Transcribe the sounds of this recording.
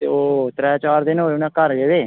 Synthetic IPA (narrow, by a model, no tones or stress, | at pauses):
t̪ḛːoːt̪ɾɛːt͡ʃaːɾd̪ɪnoːʊnãːkəɾɡeːdeː